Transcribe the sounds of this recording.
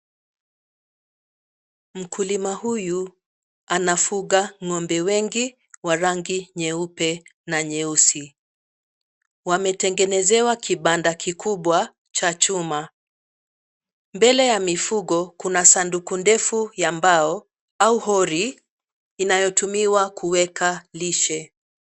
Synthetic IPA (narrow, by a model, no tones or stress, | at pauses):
m̩kʰulimahuju | anafuɠaŋɔmbɛwɛŋɡi | waɾaŋɡiɲɛupɛnaɲɛusi | wamɛtɛŋɡɛnɛzɛwakʰiɓandakʰikʰuɓwa | t͡ʃat͡ʃuma | mbɛlɛjamifuɠɔkunasandukundɛfujambaɔ | auhɔɾi | inajɔtumiwakʰuwɛkaliʃɛ